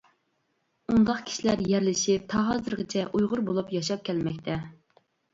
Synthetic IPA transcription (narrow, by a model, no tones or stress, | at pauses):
und̪ɑχkʲʰi̥ʃilæɾjæɾlɪʃɪp̚t̪ʰɑɦɑzɨɾʁət͡ʃʰɛʔujʁʊɾbolˠupjɑʃɑp̚kʲʰɛlmɛk̚ʲt̪ʰɛ